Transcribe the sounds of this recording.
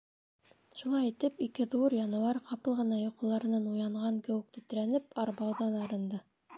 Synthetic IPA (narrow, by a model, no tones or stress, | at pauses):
ʃulˠɑjit̪ɘpikɘðuɾjɑnŭwɑɾqʰɑpɤlˠʁɤ̆nɑjuqɤ̆lˠɑɾɤ̆nɑnujɑɴʁɑŋkæ̆wɘ̆k̚t̪ɵ̆t̪̆ɾænɘpɑɾbɑwðɑnɑɾɤ̆nd̪ɑ